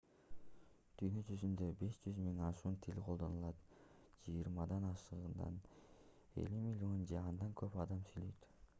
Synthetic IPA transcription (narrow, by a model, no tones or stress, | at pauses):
t̪ʰyjnø̞t͡ʃyzynd̪øbe̞ʃd͡ʒyzmiŋɑʃuːnt̪ʰilʲqʰo̞lˠd̪o̞nulˠɑt̪ | d͡ʒɯjɾmɑd̪ɑnɑʃɯʁɯnd̪ɑ̰n | e̞̰lʲymilʲo̞nd͡ʒeɑnd̪ɑŋkʰø̞pɑd̪ɑmsylyjt̪